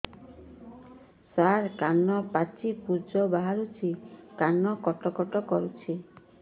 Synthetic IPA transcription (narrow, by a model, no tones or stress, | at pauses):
saɾkanːɔpat͡ʃipud͡ʒɔbaɦaɾut͡ʃʰikanːɔkɔʈɔkɔʈɔkɔɾut͡ʃʰi